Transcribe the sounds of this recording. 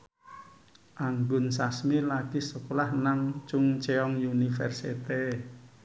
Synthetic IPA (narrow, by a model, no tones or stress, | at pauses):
ʔaŋɡʊnsasmilaɡ̥isəkulahnaŋt͡ʃʊŋt͡ʃeɔŋjunifɛrsit̪e